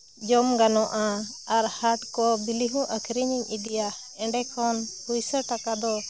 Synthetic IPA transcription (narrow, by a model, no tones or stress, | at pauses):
d͡ʒɔmɡanɔʔaaɾhaʈkɔbiliɦũʔəkʰɾiɲiɲʔid̪ija | ɛ̃ɖɛkʰɔnhujsəʈakad̪ɔ